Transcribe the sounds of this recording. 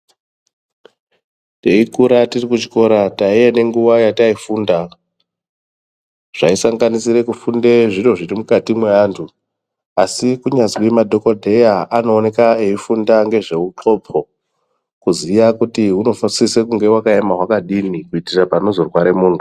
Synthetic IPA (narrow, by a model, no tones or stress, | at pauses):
te̞ikuɾatirikut͡ʃi̥ko̞ɾataijene̞ŋɡuʋajataifuːnda | ʐ̥aisaŋɡanisiɾe̞kufunde̞ʐino̞ʐirimukatimweaːntʰu | asikuɲazwimadʱo̞kodʱe̞jaʔanoːne̞kae̞ifundaŋɡe̞ʐe̞uǁo̞pʰo̞ | kuzijakutiɦuno̞fasisekuŋɡe̞wakajemaɦwakaɗinikuitirapano̞zo̞rwaɾe̞muːntʰu